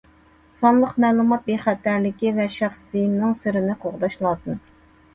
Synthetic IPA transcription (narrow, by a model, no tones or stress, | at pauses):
sɑnlˠəqmɛːlˠumɑt̪̚beχæt̪ʰːæɾlɪkʲivɛʃæχsɨjimnɪŋsɨɾɪnɪqʰoʁd̪ɑʃlˠɑːsɨn